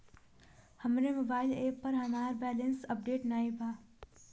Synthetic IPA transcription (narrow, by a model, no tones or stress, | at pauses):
həmɾemobaːɪleːpːəɾɦanaːɾbɛːlənsəp̚ɖeːʈnaːibʱaː